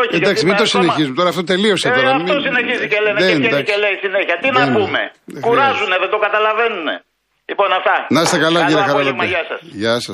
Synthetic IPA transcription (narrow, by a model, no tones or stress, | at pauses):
oed̪ɐkssimit̪osineçizumet̪oɾɐːft̪ot̪e̞lio̞seoɾɐimiosineçizicelened̪ɐkeleisineçiɐt̪innpume̞̰kuɾɐzuneðet̪o̞kɐt̪ɐlɐvenunḛ | lipo̞nɐft̪ɐnɐst̪ekɐlɐiɾɐxɐɾɐlɐmʝɐsɐsʝɐsɐs